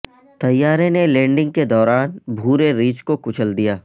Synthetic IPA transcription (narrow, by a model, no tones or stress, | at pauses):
t̪ɐjːaːɾẽnelẽːɳɖɪ̃ŋɡ̚ked̪ɔːɾaːnbʱuːɾeɾiːt͡ʃkokʊt͡ʃʰəld̪ijaː